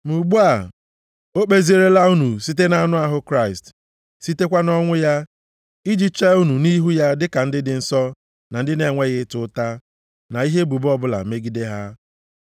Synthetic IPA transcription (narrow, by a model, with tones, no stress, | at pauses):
mu˨ɡ͡bu˦a˨ | o˦k͡pe˦zi˦e˨ɾe˦la˦u˦nu˨si˦te˦na˦nʊ˦a˦ɦʊ˦kɾa˦˨ɪ˨st | si˦te˦kʷa˦nɔ˦ŋʷʊ˦ja˦ | i˦d͡ʒi˦t͡ʃe˦u˦nu˨ni˦ɦu˦ja˦dɪ˦ka˨n̩˦dɪ˦dɪ˨n̩˨sɔ˦ | na˨n̩˦dɪ˦ne˨ŋʷe˦ɣɪ˦tʊ˦ta˦ | na˨i˦ɦe˦bu˨bɔ˦bʊ˦la̰˨˦me˦ɡi˦de˦ɦa˦